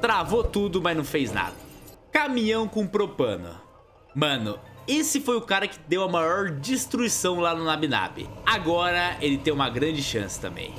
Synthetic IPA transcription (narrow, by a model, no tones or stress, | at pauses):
t̪ɾavot̪ud̪ʊmɐznɐ̃w̃fejzna̰d̪ɐkamĩɲɐ̃w̃kõpɾopɐ̰̃nʊ̰ | mɐ̃nʊesɪfojʊkaɾɐkɪ̥d̪ewɐmajɔɾd͡ʒist̪ɾuisɐ̃w̃lanʊnabina̰bɪ̰aɡɔɾɐelɪt̪ẽj̃ũmɐɡɾɐ̃d͡ʒɪʃɐ̰̃sɪ̥t̪ɐ̃mbḛ̃j̃